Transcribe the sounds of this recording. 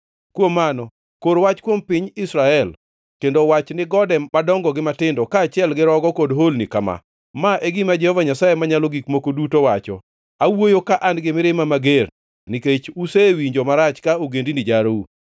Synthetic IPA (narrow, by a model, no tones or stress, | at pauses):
kwomːanɔ | koɾwat͡ʃkwompɪɲɪsɾaɛl | kendowat͡ʃnɪɡɔdɛmadɔŋɡɔɡɪmatɪndɔkaːt͡ʃɪɛlɡɪɾɔɡɔkodɦolnikama̰ | maʔeɡɪmad͡ʒɛhɔvaɲasajemaɲalɔɡikmokodutowat͡ʃɔ̰ | awojokaʔanɡɪmɪɾɪmamaɡer | niket͡ʃusewiɲd͡ʒɔmaɾat͡ʃkaoɡendinid͡ʒaɾou